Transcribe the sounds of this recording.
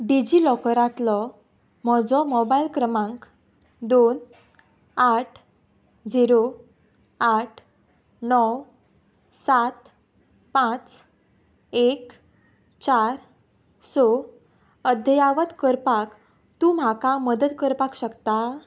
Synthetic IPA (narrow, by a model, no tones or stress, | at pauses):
ɖid͡ʑilɔkəɾãt̪lɔ | m̤ɔd͡zɔmɔbailkɾəmãŋk | d̪on | aʈʰ | d͡ziɾo | aʈʰ | nɔw | sat̪ | pãt͡s | ek | t͡ɕaɾ | sɔ | əd̪ʱəjaʋət̪kəɾpak | t̪um̤akaməd̪əd̪kəɾpakɕəkt̪a